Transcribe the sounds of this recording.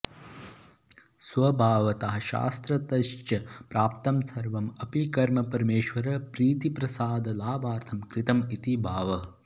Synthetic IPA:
sʋɐbʱaːʋɐt̪ɐɦɐ̆ʃa̰ːst̪ɾɐt̪ɐʃt͡ʃɐpɾaːp̚t̪ɐmsɐɾʋɐmɐpikɐɾmɐpɐɾmeːʃʋɐɾɐpɾiːt̪ipɾɐsaːd̪ɐlaːbaːɾt̪ʰɐmkɾɪt̪ɐmit̪ibʱaːʋɐ

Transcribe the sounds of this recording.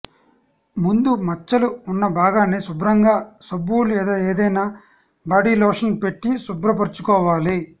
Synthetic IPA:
mund̪umɐt͡ʃːɐluːnːɐbaːɡaːnisubɾɐŋɡaːsɐbːuːlueːd̪oːeːd̪ɐjnaː | baːɖiːlɔːʂɐnpe̞ʈːisubɾɐp̬ɐɾt͡ʃukɔːʋaːli

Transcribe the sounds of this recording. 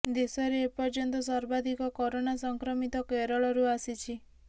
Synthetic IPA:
d̪esɔɾeːpɔɾd͡ʒɔnt̪ɔsaɾbad̪ʱikɔkɔɾoñasɔŋkɾɔmit̪ɔkeɾɔɭɔɾuasit͡ʃʰi

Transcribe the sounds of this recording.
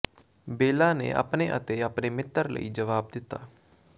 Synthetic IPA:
beːlãːnḛːʔə̰pneʔət̪eəpneːmɪt̪ːəɾlə̰iːd͡ʒəʋaːb̚d̪ɪt̪a̰ː

